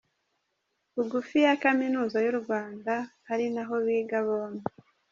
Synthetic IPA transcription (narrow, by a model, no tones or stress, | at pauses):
uɡufijakaminuːzajuɾuɡwaːndahaɾinaɦo̞βiːɡaβoːne